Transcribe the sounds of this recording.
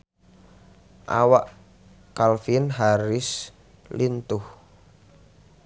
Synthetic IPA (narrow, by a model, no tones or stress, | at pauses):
ʔa̰waʔ | kalfinɦaɾɪs | lint̪ʊh